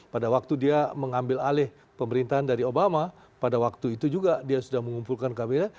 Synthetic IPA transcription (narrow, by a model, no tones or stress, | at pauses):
padawak̚t̪udiaməŋambɪlalɪh | pəməɾint̪aɦandaɾiobama | padawak̚t̪uit̪ud͡ʒuɡadiasudahməŋumpulkankabel